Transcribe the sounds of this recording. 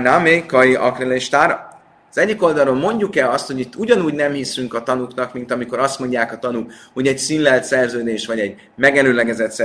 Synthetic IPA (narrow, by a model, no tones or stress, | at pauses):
namekɒiʔɒ̰kreleʃt̪aɾ | zɛɟːiko̞ld̪ɒlɾoːlmo̞ɲɟukɛlɒst̪ho̞ɟit̪ːuɟɒnuːɟnɛmhisyŋkɒt̪ɒnuknɒkmint̪ɒmiko̞ɾɒst̪mo̞ɲɟaːkɒt̪ɒnukho̞ɟɛcsinlɛlt̪sɛrzøːd̪eːʃʋɒɟɛɟ | mɛɡɛløːlɛɡɛzɛt̪sɛ